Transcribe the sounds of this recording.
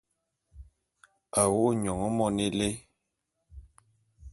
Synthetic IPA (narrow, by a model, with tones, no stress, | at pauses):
a˨wo˦ʔɲɔ˨ŋɔ˦mɔ˦ni˦le˦